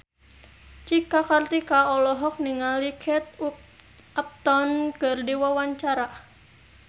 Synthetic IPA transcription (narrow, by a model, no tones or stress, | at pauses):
t͡ʃikakart̪ikaɔlɔɦɔk̚niŋalikʰɛt̪̚u | ap̚t̪ɔnkɨrdiwawaɲt͡ʃaɾa